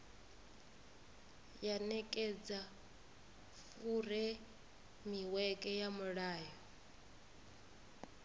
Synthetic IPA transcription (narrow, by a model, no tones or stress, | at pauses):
janɛkʼɛd͡za | fuɾɛ | miwɛkʼɛjamuɺaːjɔ